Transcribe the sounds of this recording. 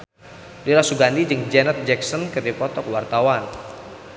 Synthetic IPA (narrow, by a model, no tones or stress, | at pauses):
liɾasuɡandid͡ʒɨŋd͡ʒɛnət̪̚d͡ʒɛksɔnkəd̪ipɔt̪ɔkwart̪awan